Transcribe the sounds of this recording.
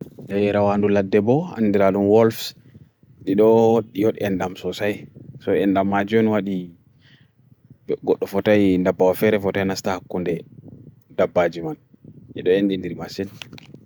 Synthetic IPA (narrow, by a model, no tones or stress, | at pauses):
ɗɛjɾawanduladːɛbɔa̰ndiɾaɗumwɔlfs | ɗiɗɔwoɗːijoɗiɛndamsɔsajsɔɛndamːad͡ʒɔnwaɗi | ɡɔɗːɔfɔtajndabːawafɛɾɛfɔtajnastahakːundɛ | dabːad͡ʒiman | ʔḭɗɔendindiɾmasin